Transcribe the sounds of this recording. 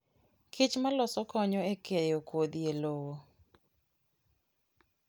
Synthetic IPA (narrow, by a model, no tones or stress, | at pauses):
kʰɪt͡ʃmalɔsɔkɔɲɔekejokwod̪jelowo